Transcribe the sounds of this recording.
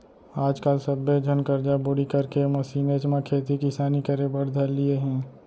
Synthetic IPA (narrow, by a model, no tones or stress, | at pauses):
aːd͡ʒkalsəbːed͡ʒʱənkəɾd͡ʒaboɽikɐɾkemɐsiːnet͡ʃmãkʰeːt̪ikɪsaːnikəɾebəɽ̤d̪ʱəlieɦɛ̃ː